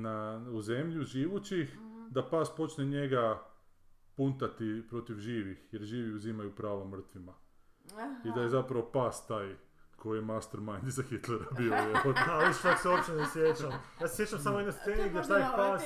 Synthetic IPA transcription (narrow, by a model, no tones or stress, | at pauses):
nauze̞mʎuʒiːʋut͡ʃixd̪apaːspo̞t͡ʃneɲe̞ɡa | punt̪at̪ipɾo̞t̪iʋʒiːʋixje̞ɾʒiːʋiuzimajupɾaːʋomr̩t̪ʋima | id̪ajezapɾaʋopaːst̪aːj | ko̞jijemast̪eɾmajnd̪izaxit̪leɾabiojeaiʃakseopit͡ʃenesʋjet͡ʃamjaːse̥sjet͡ʃamsamoinast̪seːniɡd̪ʲjet̪aːjpaːs